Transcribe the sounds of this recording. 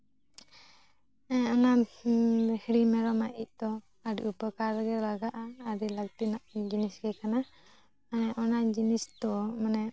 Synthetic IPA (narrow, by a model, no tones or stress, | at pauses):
ɔna | hɽimɛɾɔmaʔic̚ˀd̪ɔ | aɾʔupəkaɾɡɛlaɡaʔaːɾilək̚t̪inaʔd͡ʒinisɡɛkana | anɛʔɔnad͡ʒinist̪ɔmanɛ